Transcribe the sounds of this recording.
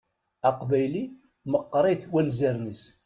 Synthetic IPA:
æqbæjli | məqːɾˤiθwænzæɾnəs

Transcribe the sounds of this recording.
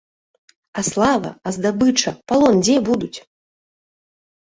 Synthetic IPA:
ɐslˠavɐ̰ɐzd̪abɨt͡ʂɐpalˠɔnd͡zʲɛbud̪ut͡sʲ

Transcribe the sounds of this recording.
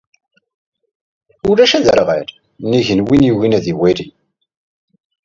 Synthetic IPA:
ʊɾæʃæðəɾʁæ̰ɾ | niʝənwinjiwinæðiwæɾi

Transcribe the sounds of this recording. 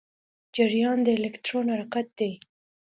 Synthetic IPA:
d͡ʒɪɾjɑnd̪əɪlekt̪ɾonhaɾɑkat̪̚d̪e

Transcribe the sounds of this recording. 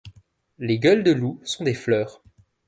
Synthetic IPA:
leɡʲœld̪əlusɔ̃d̪eflœːʁ

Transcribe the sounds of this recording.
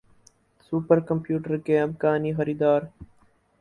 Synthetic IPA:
suːpəɾkɐmpjuːʈəɾkeɐbɡaːniːxɐɾiːd̪aːɾ

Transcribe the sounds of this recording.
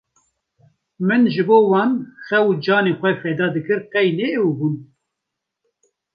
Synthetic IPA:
mɨnʒɨboːwɑːnxɛud͡ʒɑːneːxʷɛfɛd̪ɑːd̪ɨkɨɾqɛjneubun

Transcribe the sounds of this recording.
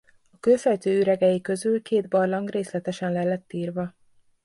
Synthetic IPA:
ɒkøːfɛjt̪øːyɾɛɡɛjikø̞zylkeːd̪bɒrlɒŋɡreːslɛt̪ɛʃɛnlɛlːɛt̪ːiːrvɒ

